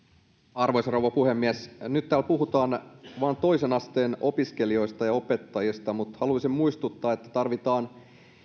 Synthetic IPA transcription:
ɑrʋojsrowʋɑpuhemːiesnyt̪tːæːlpuɦut̪ɑːnʋɑːnt̪o̞jsenɑst̪eːno̞piske̞lio̞jst̪ɑjɑo̞pe̞t̪ːɑjist̪ɑmut̪hɑluɑsimmuist̪ut̪ːɑːet̪ːæ̥t̪ɑrʋit̪ɑːn

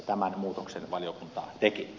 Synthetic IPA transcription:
t̪æmænmuːt̪oksenʋɑlijokunt̪ɑ̰ːt̪eki

